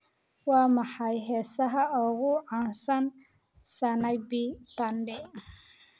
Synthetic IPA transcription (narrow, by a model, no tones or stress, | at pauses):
wɑːmɑħɑjɦɛːsɐɦɐɔːɣʊʕɑːnsɐn | sɐnɐjbit̪ɐnɖɛ